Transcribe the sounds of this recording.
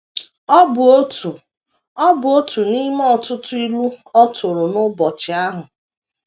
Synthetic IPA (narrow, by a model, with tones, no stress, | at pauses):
ɔ˦bo˦tu˨ | ɔ˦bʊ˨o˦tu˨ni˦me˦ɔ˨tʊ˦tʊ˦i˦lu˦ɔ˦tʊ˨ɾʊ˨nʊ˦bɔ˨t͡ʃɪ˨a˦ɦʊ˨